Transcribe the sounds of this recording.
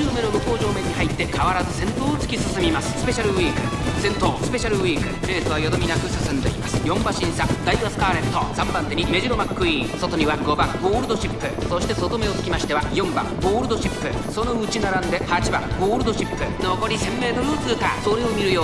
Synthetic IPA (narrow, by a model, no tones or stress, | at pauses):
ɯːme̞ɾoboko̞ːʑo̞ːmẽ̞ɲ̟ːiɦait̪ːe̞kʰaβaɾazɨsẽ̞nt̪o̞ːt͡sɨ̥kʲisɨsɨmʲimasɨ̥sɨ̥pe̞ɕaɾɯ̟wiːkɯ̟ | sẽ̞nt̪o̞ːsɨ̥pe̞ɕaɾɯ̟wiːkɯ̟ɾe̞ːt̪oβajod̪omʲinakɯ̟sɨsɨ̃nd̪e̞̰ḭmasɨ̥jõ̞mbaɕĩɰ̃sad̪aiɡasɨ̥kaːɾe̞t̪ːosãmpãnt̪eɲ̟ime̞ʑiɾo̞makːɯ̟iːso̞t̪o̞ɲ̟iβaɡo̞baɡo̞ːɾɯd̪o̞ɕipːɯ̟so̞ɕi̥t̪e̞so̞t̪o̞me̞o̞t͡sɨ̥kʲimaɕi̥t̪e̞βajõ̞mba̰ɡo̞ːɾɯ̟d̪o̞ɕipːɯso̞no̞ɯ̟t͡ɕinaɾãnd̪e̞hat͡ɕibaɡo̞ːɾɯ̟d̪o̞ɕipːɯ̟nookoɾʲisẽ̞mːe̞ːt̪o̞ɾɯ̟o̞t͡sɨɯt̪asoɾeomʲiɾɯ̟jo̞ː